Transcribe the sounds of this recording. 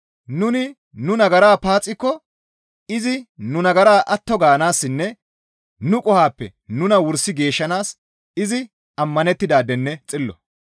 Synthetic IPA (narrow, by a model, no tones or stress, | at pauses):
nʊnɪ | nʊnɐɡɐɾaːpaːt͡sʼːɪkːɔ | ɪzɪnʊnɐɡɐɾaːʔɐt̪ːɔɡaːnaːsːɪnːɛ | nʊkʼʊhaːpːɛ | nʊnɐwʊɾsːɪɡe̞ːʃːɐnaːs | ɪzɪ | ɐmːɐnɛt̪ːɪd̪aːd̪ɛnːɛt͡sʼɪlːɔ̰